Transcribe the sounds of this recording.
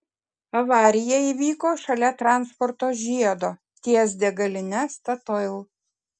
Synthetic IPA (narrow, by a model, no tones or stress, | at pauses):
ɐʋɑːɾʲɪjɛiːʋʲiːkoːʃɐlʲɛt̪ɾɑˑnspɔɾt̪oːʒʲiɛd̪oː | t̪ʲiɛsʲd̪ʲɛɡɐlʲɪnʲɛst̪ɐt̪ɔlˠ